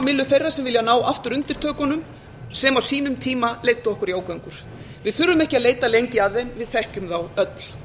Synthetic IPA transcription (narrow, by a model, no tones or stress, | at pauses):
mɪlːʏθejrːḁsɛmvɪljanaːwʔaft̪ʏɾʏnt̪ɪɾ̥t̪ʰœːkɔnʏm | sɛmawsiːnʏmt̪ʰiːmalejt̪ːʏɔhkʏɾjaːwkœŋkʏɾ̥ | vɪðθʏɾːʏmɛhcɪaðleːjt̪alejɲcɪaðenvɪðθɛhcʏmθawœt̪l̥